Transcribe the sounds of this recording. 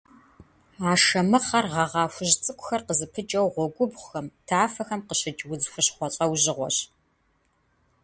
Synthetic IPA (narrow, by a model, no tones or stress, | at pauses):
aːʂɐmɨχɐrʁɐʁɑːfʷʊʑt͡sʼɨkʷʼʊxɐrqəzɨpʰɨt͡ʃʼɐwʁʷɔɡʷʊbʷʊxɐmtʰaːfɐxɐmqəɕɪt͡ʃʼwʊzfʷɨɕχʷɔɕʼɐwʑɪʁʷɔ̰ɕ